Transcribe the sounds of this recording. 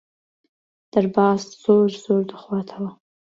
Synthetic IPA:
d̥ɨrbaːzz̥oʒzoːrdɨχwatʰawa

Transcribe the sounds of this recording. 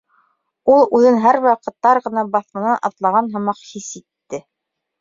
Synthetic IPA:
ulˠʉðɘnɦæɾwɑqɤ̆t̪ːɑɾʁɤ̆nɑbɑθmɤ̆nɑʔɑ̰t̪lˠɑʁɑnɦɤ̆mɑqhisit̪ːɘ

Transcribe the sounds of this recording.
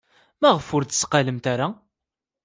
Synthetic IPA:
mæʁəfʊɾd̪ə̥sqaləmt̪æɾa

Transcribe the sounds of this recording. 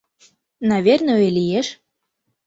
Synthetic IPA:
nɑvʲernəøjlʲijeʃ

